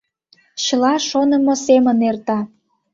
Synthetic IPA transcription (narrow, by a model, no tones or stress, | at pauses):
ɕəlɑʃonə̆mosemənert̪ɑ